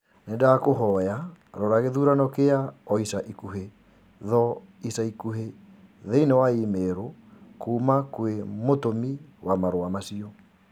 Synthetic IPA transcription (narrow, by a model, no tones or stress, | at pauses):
nendaːkoɦɔjaɾɔɾaɣeðuɾanɔkeaɔisaʔikuɦe | ðɔisaikuɦe | ðeinewaimeɾokuːmakwemotomiwamaɾoamasiɔ